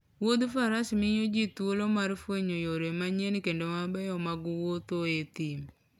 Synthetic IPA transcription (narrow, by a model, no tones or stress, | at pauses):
wod̪ufaɾasimiɲod͡ʒit̪uolomaɾfweɲojoɾemaɲenkendomabɛjɔmaɡuwot̪oet̪im